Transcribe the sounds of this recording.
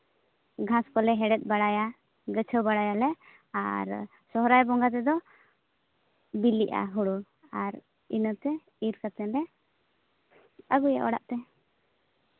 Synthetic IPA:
ɡʱãskɔlɛɦɛɽɛt̪̚ˀbaɽaja | ɡət͡ʃʰəwbaɽajalɛ | a̰ɾ | sɔɦɾajbɔŋɡat̪ɛd̪ɔ | biliʔa̰ɦuɽu | aɾ | inət̪ɛ | iɾkat̪ɛnd̪ɛ | əɡuja̰ʔɔɽa̰ʔt̪ɛ

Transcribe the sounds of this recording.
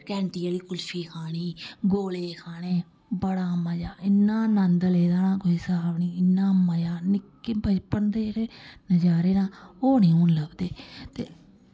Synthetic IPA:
kɛ̃ːɳʈiːaːliːkʊlʃiːkʰaːɽ̃iːɡoːleːkʰaːɽeː | bəɽaːməd͡ʒaːɪnːãːnənd̪leːd̪aːnãːkoːiːsəbaːbniːɪnːãːməjaːnɪkːbʱəd͡ʒpənd̪eːkeːnəd͡ʒaːɾeːnãːoːnĩːũːnləbd̪eːt̪eː

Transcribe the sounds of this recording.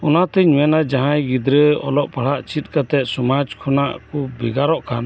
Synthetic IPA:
ɔnat̪ɛɲɔɛnad͡ʒaɦãjɡid̪ɾəɔ̰lɔʔpaɽ̤aʔt͡ʃit̪̚kat̪ɛʔ̚sɔmad͡ʒkʰɔnaʔkɔbɛɡaɾɔʔkan

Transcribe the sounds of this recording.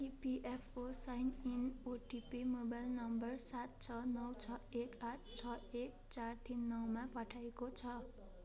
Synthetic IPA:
ipiʔepʰosajninoʈipimobajlnʌmbʌrsat̪̚t͡sʰʌnʌwt͡sʰʌekaʈʰt͡sʰʌek̚t͡sart̪inːʌwmapʌʈʰaekot͡sʰʌ

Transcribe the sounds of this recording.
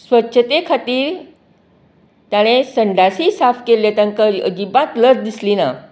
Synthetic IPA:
sʋətːɕʰət̪ekʰat̪iːɾ | t̪jaɽ̃esəɳɖasisafkelet̪aŋkəəd͡ʑibãt̪ləɾd̪islina̰

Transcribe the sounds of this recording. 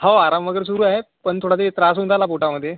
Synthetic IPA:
hawaɾamʋəɡəɾs̬uɾuːaɦepəɳt̪ʰoɽad̪it̪ɾas̬unt̪ʰalapoʈaməd̪ʱːje

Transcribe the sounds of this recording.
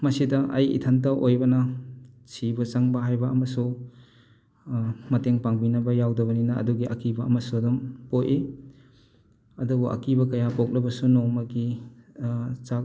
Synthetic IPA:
mɐsidɐʔɐjḭtʰant̬awʔojbɐnɐ | sibɐt͡ʃaŋbɐɦajbɐːmɐsu | mɐteŋpaŋbinɐbɐjawdɐβɐninɐʔɐ̰duɡiʔɐ̰kibɐɐmɐsudumpoje | ɐdubuʔɐ̰kibɐkɐjapok̚lɐbɐsunomɐɡi | t͡ʃak̚

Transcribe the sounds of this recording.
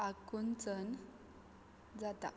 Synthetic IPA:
akunt͡sən | d͡zat̪a̰

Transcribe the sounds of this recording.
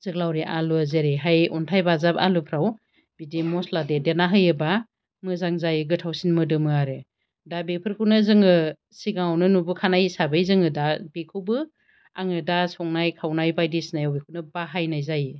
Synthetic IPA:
z̥ɯk̚lawɾiʔaluazeɾeɦajɔntʰajbazapa̰lupʰɾaw | b̥idimɔsladedenaɦɯjɯba | mɯzaŋzajɯɡɯtʰawsinmɯdɯmɯaɾɯ | dabepʰɯɾkʰɯwnɯzɯŋɯ | siɡaŋawnɯnubɯkʰanajsabɯjzɯŋɯdabekʰɯwbɯ | a̰ŋɯdasɔŋnajkʰawnajbajdisnajawbikʰɯwnɯbaɦajnajzaj

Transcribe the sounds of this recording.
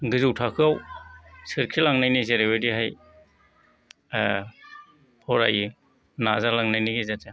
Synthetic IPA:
ɡɯzuwtʰakʰɯawsɯɾkʰilaŋnajnizeɾebediɦaj | pʰɔɾa̰ji | nazalaŋnajniɡezata

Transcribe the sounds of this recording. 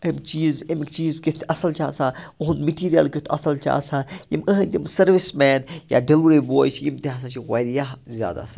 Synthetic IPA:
ɐmt͡ʃiːzɐmkt͡ʃiːzkit̪ʰɐsɐlt͡ʃa̰ːsãːuɦũnmiʈiːɾijə̰lkʲut̪ʰɐsɐlt͡ʃa̰ːsãːjiməɦɐ̃nʲt̪ʲimsɐɾʋɪsmɛːnja̰ːɖɐlʋɾiboːjt͡ʃʰjimt̪iɦaːs̬ãt͡ʃʰiɣɐɾijaɦzʲja̰ːd̪a̰ːsa

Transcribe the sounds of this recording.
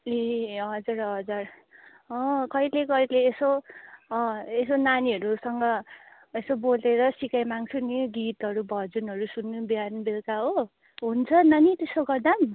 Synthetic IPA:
eɦʌd͡zurɦʌd͡zʌr | ʌ̃kʌilekʌileːso | esonaniɦʌɾusʌŋɡʌ | esoboleɾʌsikajmaŋt͡sʰuniɡit̪ʌɾubʱʌd͡zunɦʌɾusunːubiarnubelkaɦo | ɦunt͡sʰʌnʌnit̪esoɡʌrd̪am

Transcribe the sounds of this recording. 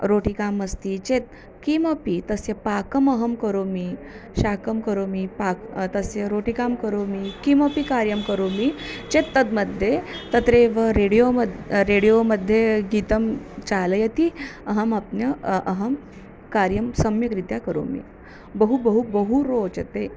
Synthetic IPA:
ɾoʈikaməst̪it͡ɕet̪̚ | kimopit̪əsjepakəməɦəmkəɾomi | ɕakəmkəɾomipakt̪əsjeɾoʈikamkəɾomikimopikaɾjəmkəɾomit͡ɕet̪ːət̪məd̪ʱːjet̪ət̪ɾeʋəɾeɽijoəɾeɽijoməd̪ʱːjeɡit̪əmt͡ɕaləjet̪iəɦəmapnjəʔəɦəm | kaɾjəmsəmjəkɾit̪jakəɾo̰mḭ | bəɦubəɦubəɦuɾot͡ɕət̪e

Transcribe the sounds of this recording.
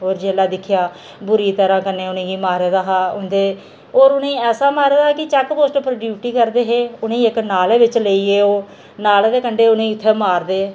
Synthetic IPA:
ɦoːɾd͡ʒeːlaːd̪ɪkʰɪjaː | bʊɾiːt̪əɾãːkənẽːʊnẽːiːmaːɾeːd̪aːɦaːʊnd̪eː | oːɾʊnẽːɛːsaːmaːɾeːd̪aːkɪt͡ʃɛːkpoːsʈpɾəʈiːʈiːkəɾd̪eːɦeːʊnẽːɪknaːleːʋɪt͡ʃləiːeːoː | naːlːd̪eːkəɳɖeːʊnẽːʊt̪ʰːeːmaːɾd̪eː

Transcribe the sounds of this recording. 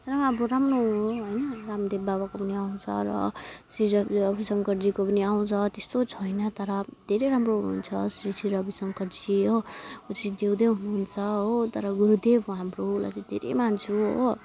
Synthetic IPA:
t̪ʌɾʌmaʌboɾamnoɦoɦojnʌramd̪ebbabakopʌniaw̃t͡sʰʌ̰ɾʌ̰sriɾʌbʌbisʌŋkʌrd͡zikopʌniaw̃t͡sʰʌt̪est̪ot͡sʰʌjnʌt̪ʌɾʌd̪ʱeɾeɾamroɦunuunt͡sʰʌsɾisiɾʌbisʌŋkʌɾd͡ziout͡sid̪ewd̪eɦunuɦunt͡sʰʌɦot̪ʌɾʌɡuɾud̪ebɦamrola̰t͡sid̪ʱḛɾḛmansʰuo

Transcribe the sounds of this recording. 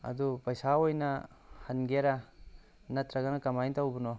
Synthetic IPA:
ɐ̰dupɐjsaojnɐ | hɐnɡeɾɐ | nɐt̪ɾɐɡɐnɐkɐmajntawbunɔ

